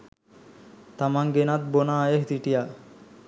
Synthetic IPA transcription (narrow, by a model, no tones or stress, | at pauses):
t̪amaŋɡenat̪̚bonaːjeɦd̪iʈija